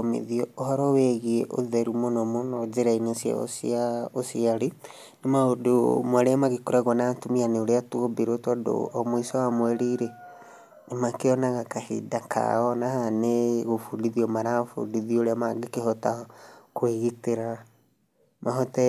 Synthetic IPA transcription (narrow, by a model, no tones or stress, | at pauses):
mḭðiɔohɔɾɔwɛɣiɛʔoðɛɾumonɔmonɔd͡ʒeɾainesja̰o̰siaosiaɾi | nemaodo̰mwaɾeamaɣekoɾaɣwanatumianeoɾeatuobeɾotɔdo̰ɔmoisɔwamwɛɾiɾe | nemakeɔnaɣakahḭdakʰa̰ɔnahaneɣofudiðiɔmaɾafṵdiðiɔoɾeamaɡekehɔtakweɣiteɾa | maɦɔtɛ